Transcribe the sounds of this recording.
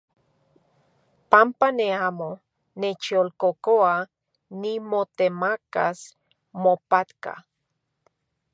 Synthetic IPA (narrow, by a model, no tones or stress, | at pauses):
pampaneamo | net͡ʃiolkokoa | nimot̪emaka̰s | mopat̪ka̰